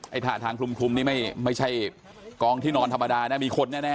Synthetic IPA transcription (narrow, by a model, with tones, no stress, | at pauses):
ʔa˧˩jt̪ʰaː˨˩t̪ʰaː˧ŋkʰlu˧mkʰu˧mniː˦˥˩ma˥˩jma˥˩jt͡ɕʰa˥˩j | kɔː˧ŋt̪ʰiː˥˩nɔː˧nt̪ʰa˧mːa˧daː˧naː˦˥˩miː˧kʰo˧nːɛː˥˩nɛː˥˩